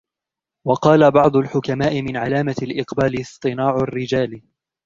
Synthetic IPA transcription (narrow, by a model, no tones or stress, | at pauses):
wɑqɑːlabɑʕd̪ˤʊlħʊkamaːʔɪmɪnʕalaːmalʔɪqbaːlɪsˤt̪ˤɨnaːʕʊrːɪd͡ʒaːl